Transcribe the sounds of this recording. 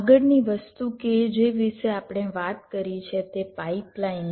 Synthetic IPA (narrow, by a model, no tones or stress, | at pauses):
ɡəɽniʋəst̪uked͡ʒeʋɪʃeapɽ̃eʋat̪kəɾit͡ʃʰet̪epaiplain